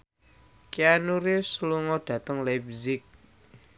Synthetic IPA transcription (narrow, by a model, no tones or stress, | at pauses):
kianuɾisluŋɔd̪̥ä̤t̪əŋlab̚zɪk̚